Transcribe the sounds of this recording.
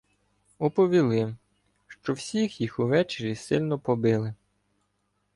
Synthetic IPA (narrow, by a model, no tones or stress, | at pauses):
ɔpɔʋʲilˠɪ | ʃt͡ʃɔwsʲixjixuʋɛt͡ʃeɾʲisɪlʲnɔpɔbɪlˠɪ